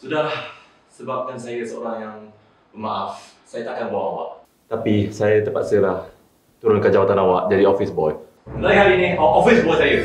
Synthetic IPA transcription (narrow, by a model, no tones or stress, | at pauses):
sudah | səbap̚kansajasəo̰ɾaŋjaŋ | pəmaʔaf | sajat̪akanbawaʔawa̰ʔ | t̪apisajat̪əpa̰t̪səlah | t̪uɾʊnkand͡ʒawat̪anawaʔd͡ʒadiɔfisbɔj | lakhaɾiniɔʔɔfisbɔjsajə